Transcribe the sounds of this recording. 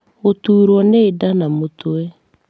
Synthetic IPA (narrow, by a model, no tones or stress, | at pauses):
ɣotuːɾwɔneːdanamotoɛ